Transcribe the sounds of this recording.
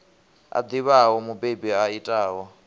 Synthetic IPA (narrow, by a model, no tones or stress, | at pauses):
a̰d̪iβawɔmubebiaitʼaːwɔ